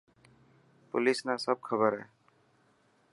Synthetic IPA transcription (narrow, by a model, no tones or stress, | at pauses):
pʊ̰lɪsnasəb̚kʰəbəɾɦɛ̰ː